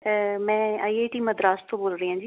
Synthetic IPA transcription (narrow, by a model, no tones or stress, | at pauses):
mɛ̃ːaːiːeːʈiːməd̪ɾaːst̪ʰõːboːlɾəiːɦãːd͡ʒiː